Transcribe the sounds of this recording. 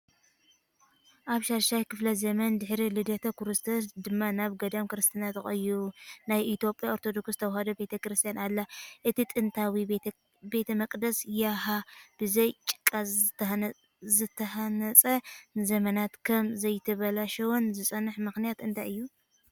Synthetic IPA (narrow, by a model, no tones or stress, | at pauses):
ʔaβʃaɾʃajkʰɨflɐzɐmɐnd̪ɨħɾilɨd̪ɐt̪ʰɐkʰuɾɨst̪ʰosd̪ɨmːanaβɡɐd̪amkɨɾɨst̪ʰinat̪ɨxʼɐjunajʔit̪jo̞pʼjaoɾt̪ʰo̞d̪o̞kst̪ʰɐwhɐd̪ɐbet̪ʰɐkɾɨst̪ʰijanalːaʔɨt̪ʰit̪ʼɨnt̪ʰawi | be̞t̪ʰɐmɐkʼd̪ɐsjaɦab̥ɨzɐjt͡ʃʼɨ̥kʼːaz | zɨt̪ʰːɐhanɐt͡sʼɐnɨzɐmɐnat̪kʰɐmzɐjt̪ʰɨβɐlaʃɐwonzɨsʼɐnːɨħmɨxnijat̪ɨnt̪ʰajɨjːu